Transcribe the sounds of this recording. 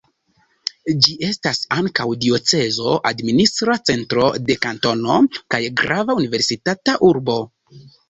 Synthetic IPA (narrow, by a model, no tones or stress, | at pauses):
d͡ʒiʔe̞stasaŋkawdio̞t͡se̞zo̞ʔadministɾat͡se̞ntɾo̞̰de̞kanto̞no̞̰kajɡɾavaunive̞ɾsitataʔuɾbo̞